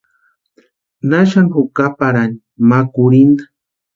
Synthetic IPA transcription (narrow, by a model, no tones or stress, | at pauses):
naʃaŋhʊkapaɾanimakʊɾind̪ḁ